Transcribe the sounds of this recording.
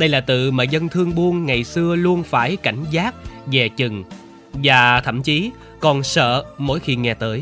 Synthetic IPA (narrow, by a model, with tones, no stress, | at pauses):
ɗə˧jlaː˨˩t̪ɨ̰˧˨maː˨˩zə˧nt̪ʰɨ˧əŋɓu˧ənŋa˨˩jsɨ˧əlu˧ənfaː˧˩jka˧˩jŋ̟zaː˦˥t̚zɛ˨˩t͡ɕɨ˨˩ŋ | vaː˨˩t̪ʰə̰˧˩˨mt͡ɕi˨˦ | kɔ˨˩nsə̰ː˧˨mo̰˧˥˦jxi˧ŋɛ˨˩t̪əː˨˦j